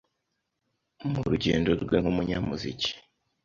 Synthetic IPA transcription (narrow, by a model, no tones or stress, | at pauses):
muɾuɟe̞ːndo̞ɾɡwe̞ŋ̥umuɲamuzici̥